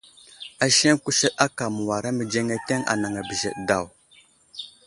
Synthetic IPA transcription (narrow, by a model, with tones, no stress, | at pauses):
a˨ʃe˦ŋku˦ʃə˦ɗa˦ka˨mu˨wa˨ɾa˦mə˨d͡ʒe˦ŋe˦te˦ŋa̰˨na˨ŋa˨bə˨ʒḛ˨ɗda˦˨w